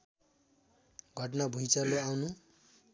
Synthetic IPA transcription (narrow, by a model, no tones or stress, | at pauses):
ɡʱʌʈnabʱujt͡sʌloawnu